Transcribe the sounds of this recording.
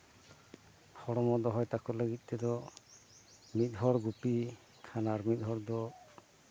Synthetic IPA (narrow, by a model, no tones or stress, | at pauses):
hɔɽɔmɔd̪ɔɦɔjt̪akɔləɡit̪̚ˀt̪ɛd̪ɔ | mit̪̚ˀɦɔɽɡupi | kʰanaɾmit̪̚ˀɦɔɽd̪ɔ